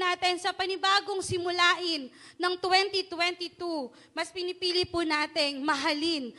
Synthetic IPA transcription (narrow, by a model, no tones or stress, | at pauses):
naːt̪ɪnsɐpɐnɪbaːɡoŋsɪmʊlaːʔɪnːɐŋt̪wɛnt̪it̪wɛnt̪it̪u | mɐspɪnɪpiːlɪpʊnaːt̪ɪŋmɐɦalɪn